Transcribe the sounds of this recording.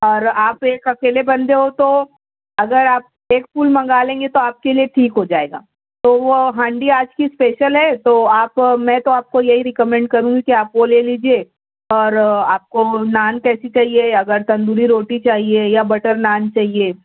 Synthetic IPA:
ɔːɾaːpeːkɐkeːlebɐ̃nd̪eɦot̪o | ɐɡəɾaːp̚ | eːkfuːlmɐ̃ŋɡaːlẽːŋɡet̪oaːp̚kelieʈʰiːkɦod͡ʒaːḛːɡa̰ː | t̪oʋoɦãːɳɖiaːd͡ʒkispeːʃəlɦɛt̪oaːpmɛ̃ːt̪oaːp̚kojɐɦiɾɪkəmɛ̃ːɳɖ̚kɐɾũɡikiaːpʋoleːliːd͡ʒie | ɔːɾaːp̚konaːnkɛːsit͡ʃaːɦieɐɡəɾt̪ɐ̃nd̪uːɾiɾoːʈit͡ʃaːɦiejabɐʈəɾnaːnt͡ʃaːɦieː

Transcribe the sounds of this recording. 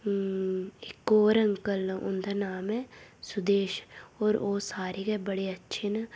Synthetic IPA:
ɪkːoːɾɐ̃ŋkəlʊ̰nd̪anaːmɦɛsʊd̪eːʃɔːɾoːsaːɾikebɐɽeɐtːʃʰɪn

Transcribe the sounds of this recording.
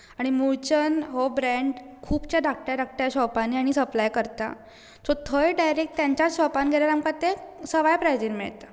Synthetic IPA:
aɽ̃imuɭt͡ɕənɦobɾɛɳɖ | kʰuːpt͡ɕjaɖak̚ʈaɾak̚ʈjaɕɔpaniaɽ̃isəplajkəɾt̪a̰ | sɔt̪ʰəjɖajɾek̚ʈt̪jaɲt͡ɕat͡sɕɔpanɡʱeljaɾamkat̪esəʋajpɾajd͡ʑiɾmḛɭt̪a

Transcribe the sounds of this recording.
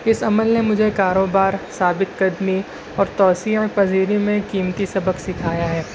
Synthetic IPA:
ɪsɐməlnemʊd͡ʒʱekaːɾoːbaːɾsaːbɪt̪kɐd̪mi | ɔːɾt̪ɔːsiːʕpɐziːɾimẽkiːmt̪isɐbəksɪkʰaːjaɦɛː

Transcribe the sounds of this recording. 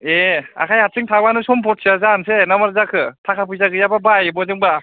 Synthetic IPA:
ea̰kʰajhat̚sɯŋtʰabanɯsɔmpʰɔt̚sʰiazansenamaɾzakʰɯtʰakʰapʰɯjzaɡɯjababajbɔzɯŋba

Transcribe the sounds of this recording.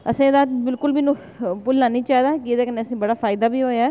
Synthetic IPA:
əsĩːd̪aːbɪlkʊlbinũː | pʊlːãːniːt͡ʃaːd̪aːkɪed̪eːkəneːəsĩːbəɽaːfʰaːɪd̪aːbiːɦoːjaː

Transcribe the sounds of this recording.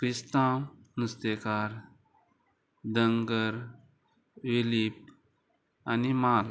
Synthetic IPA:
kɾist̪ãːnust̪eːkaːɾ | d̪ə̃ŋɡəɾ | ʋilip | a̰nimaːl

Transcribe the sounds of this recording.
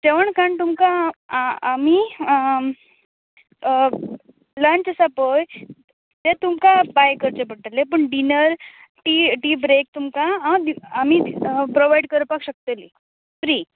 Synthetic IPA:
d͡ʑeʋəɳkaɳt̪umkaː | mi | ləɳt͡ɕəsapəj | t̪et̪umkabajkəɾt͡ɕebəʈəlepəɳɖinəɾ | ʈiʈibɾek̚t̪umkaãd̪iamipɾoʋajɽkəɾəpakɕək̚t̪əli | fɾi

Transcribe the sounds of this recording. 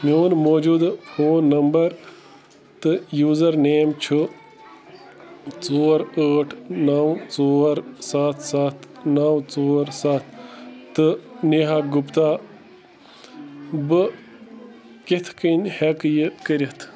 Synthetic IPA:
mʲoːnmoːd͡ʒud̪fʰoːnːɐmbɐɾ | t̪ɨjuːzɐɾneːmt͡ʃʰu | t͡soːɾəːʈʰnawt͡soːɾsat̪ʰsat̪ʰnawt͡soːɾsat̪ʰt̪ɨneɦaːɡupt̪aː | bɨ | ket̪ʰkənʲhekjɨkəɾʲit̪ʰ

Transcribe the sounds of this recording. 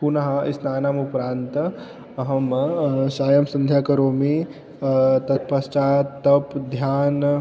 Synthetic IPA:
punɐɦɐḭsnaːnaːmupɾaːnt̪ | ɐɦɐmʃaːjɐmsɐnd̪ʱjaːkɐɾoːmi | t̪ɐt̪̚pɐst͡ʃaːt̪ɐpd̪ʱjaːn

